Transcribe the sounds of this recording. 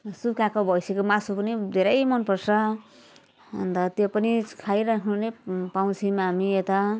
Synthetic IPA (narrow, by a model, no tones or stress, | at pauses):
sukakobʱʌjsekomasupʌnid̪ʱeɾʌjmʌnpʌrsʌ | nd̪ʌt̪jopʌnikʰajɾakʰnunepaw̃t͡sʰimaːmiet̪a